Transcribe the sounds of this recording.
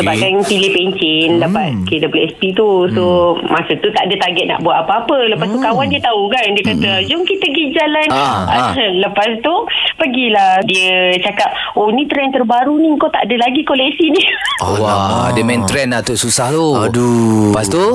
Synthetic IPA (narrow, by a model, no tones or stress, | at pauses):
səbaɡapilehpeɲt͡ʃɪndapat̪̚kedəplɛʔspit̪usomasut̪ut̪aʔdət̪aɡɛt̪̚na̰ʔbuaʔ̪apaapələpast̪ukawandiət̪aukandiəkat̪əad͡ʒʊŋkit̪əɡid͡ʒalanaləpast̪upəɡiladiət͡ʃakap̚ | onĩt̪ɾɛnt̪ərbaɾuniŋkot̪a̰ʔadəlaɡikolɛksiniwadəmɛ̃nt̪ɾɛnat̪oʔsusaht̪oadupast̪u